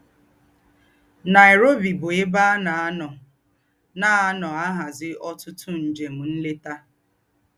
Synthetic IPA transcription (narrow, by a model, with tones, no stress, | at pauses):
na˨ɪ˨ɾo˦bi˨bʊ˨ɪ˦ba˦na˨˦nɔ˨ | na˦a˦nɔ˨a˦ɦa˨zɪ˦ʔɔ˦tʊ˦tʊ˦n̩˨d͡ʒe˨m̩˨n̩˦le˦ta˦